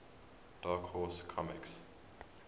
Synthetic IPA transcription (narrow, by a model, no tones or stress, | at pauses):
d̥aːkhɔskʰɔmɪ̰ks